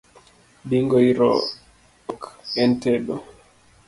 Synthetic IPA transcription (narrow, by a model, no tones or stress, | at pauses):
diŋɡɔiɾɔ̰ | ɔkɛntɛɗɔ